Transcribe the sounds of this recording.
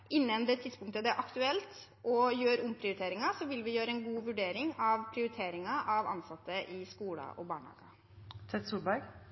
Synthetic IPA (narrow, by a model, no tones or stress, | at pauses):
ʔɪnːənd̪ɛt̪ʰɪd̪spʊŋk̚t̪əd̪ɛæɾʔɑkt̪ʉɛlt̪ | ʔɔjøːɾʊmpʰɾɪʊɾɪt̪eːɾɪŋɑsɔʋɪlʋɪjøːɾəɛnɡuːʋʉɖeːɾɪŋɑʋpʰɾɪʊɾɪt̪ʰeːɾɪŋɑʔɑʋɑ̰nsɑt̪ːəʔɪskuːlɑ̰ʔɔbɑːɳhɑ̰ːɡə̰ | t̪ʰɛt̪suːlbæɾɡ